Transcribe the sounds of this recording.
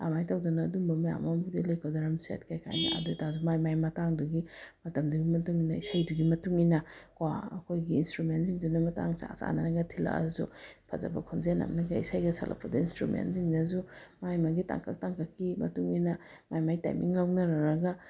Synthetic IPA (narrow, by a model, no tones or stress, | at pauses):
a̰majtawdɔnaːdumbɐmaja̰mambudilajkʰawdaɾamsa̰tkʰajkʰa̰jnḭʔa̰dutazumajmajmɐtaŋduɡimɐtɐmduɡimɐtuŋinɐisajduɡimɐtuŋinɐkwaɐkʰojɡiːnstɾumentziŋdunɐmɐta̰ŋsa̰sa̰nɐɾɐɡɐtʰila̰ɐ̰zṵpʰɐ̰zɐ̰bɐkʰonzenɐ̰mnɐɡɐisajɡɐsʰalʔa̰pʰːɐdɐinstɾumḛntziŋdɐzumajmaɡita̰ŋkʰak̚taŋkʰakːimɐ̰tuŋinɐmajmajta̰jmʔiŋlawnɐɾɐɾɐɡa